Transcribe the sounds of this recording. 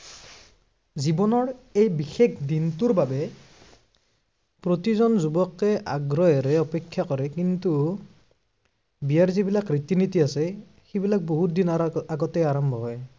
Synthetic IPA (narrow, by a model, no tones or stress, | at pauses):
zibɔnɔɹejbixekdintuɹbabɛ | pɹotizɔnzubɔkːɛʔa̰ɡɹɔɛɹɛɔpɛkʰːjakɔɹɛkintu | bijaɹzibilakɹit̪initiasɛ | xebilak̚boɦutdinaaɡɔtɛjaɹɔmbʱɔɦɔj